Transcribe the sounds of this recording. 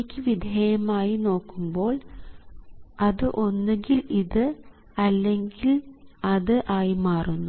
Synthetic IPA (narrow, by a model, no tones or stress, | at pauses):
kʲːɨʋid̪ʱejɐmaːjino̞ːkːumbo̞ːɭ | ɐðɨʔo̞nːeŋɡiliðɨ | ɐlːe̞ŋɡilɐðɨʔaːjimaːrunːu